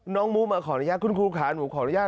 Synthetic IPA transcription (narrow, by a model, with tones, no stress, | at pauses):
nɔː˦˥ŋmu˦˥maː˧˩kʰɔː˨˦na˧˦jaː˥˩kʰu˧nkʰuː˧kʰaː˨˦˧nuː˨˦kʰɔː˨˦n˧˦jaː˥˩